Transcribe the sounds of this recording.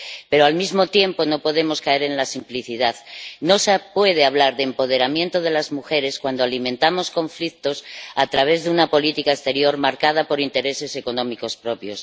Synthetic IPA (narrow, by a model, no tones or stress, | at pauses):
pe̞ɾoalmizmo̞t̪je̞mpo̞no̞po̞ðe̞mo̞skae̞ɾe̞nlasimpliθiðaðno̞spwe̞ð̞eaβ̞laɾðeːmpo̞ðe̞ɾamje̞nt̪oð̞e̞lazmuxe̞ɾe̞skwand̪oalimẽ̞nt̪amo̞sko̞ɱflik̚t̪o̞sat̪ɾaβ̞e̞zðeunapo̞lit̪ikaest̪e̞ɾjo̞ɾmaɾkað̞apo̞ɾint̪e̞ɾe̞se̞se̞ko̞nõ̞miko̞spɾo̞pjo̞s